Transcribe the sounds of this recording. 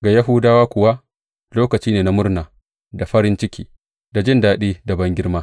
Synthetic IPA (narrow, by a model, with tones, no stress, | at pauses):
ɡa˨jɐ˦ɦʊ˦daː˦waː˦kʷʊ˨wa˦ | loː˦kɐ˨t͡ʃiː˦neː˨na˦mʊ˦ɾnaː˨ | da˨ɸɐ˦ɾɪ˦nt͡ʃɪ˦kʲḭː˦ | da˨d͡ʒɪ˦ndaː˨ɗiː˦da˨bɐ˦ŋɡʲɪ˦ɾmaː˦